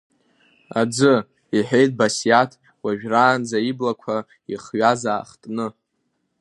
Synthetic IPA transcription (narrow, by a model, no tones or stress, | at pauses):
ad͡zɨ | iħejt̚ʼbasjatʰ | waʒᶣraːnd͡zaiblakʷʰa | iχɥazaːχtʼnɨ